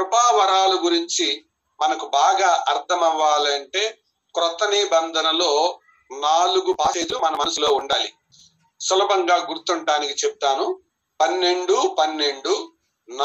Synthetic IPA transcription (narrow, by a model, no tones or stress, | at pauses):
ɾbʱaːʋɐɾaːluɡuɾiɲt͡ʃi | mɐnɐkubaːɡaːʔɐɾt̪ʰɐmɐʋːaːlɐɳʈe̞ː | kɾɔt̪ɐniːbɐnd̪ʱɐnɐlo̞ː | naːluɡupaːseːd̪umɐnɐmɐnɐsulo̞ːuɳɖaːli | sulɐbʱɐŋɡaːɡuɾt̪uɳʈaːnikit͡ʃeput̪aːnu | pɐnːe̞ɳɖupɐnːe̞ɳɖu | n